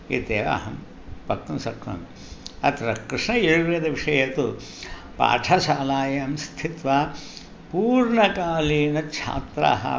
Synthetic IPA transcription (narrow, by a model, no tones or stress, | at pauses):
iːt̪eːʋa̰ɦɐm | pɐk̚t̪umsɐkɾɐ̰m | ɐt̪ɾɐkɾɨʂɳɐjiɾuʋeːd̪ɐʋiʂɐjet̪u | pa̰ːʈʰɐʃaːlaːjɐmst̪ʰit̪ʋa | puːɾɳɐkaːliːnɐt͡ʃʰa̰ːt̪ɾa̰ɦɐ̰